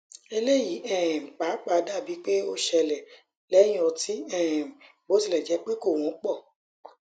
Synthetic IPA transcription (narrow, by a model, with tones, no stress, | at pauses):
e˧le˦˨ji˨˦ɛ̃˦˨m̩˨k͡pa˨˦k͡pa˧da˦˨bi˨˦k͡pe˦o˦ʃɛ˧lɛ˨ | lɛ˨˦j̃ĩ˦ɔ̃˧ti˨˦ɛ̃˦˨m̩˨ | bo˨˦ti˧˨lɛ˨d͡ʒɛ˨˦k͡pe˦ko˦˨w̃ɔ̃˨˦k͡pɔ˦˨